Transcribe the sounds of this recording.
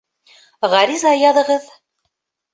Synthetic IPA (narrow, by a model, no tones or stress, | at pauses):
ʁɑɾizɑjɑðɤ̆ʁɤð